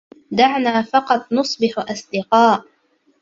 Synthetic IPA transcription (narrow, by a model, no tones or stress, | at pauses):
d̪aʕnaːfɑqɑt̪ˤnʊsˤbɪħʔɑsˤd̪ɪqɑːʔ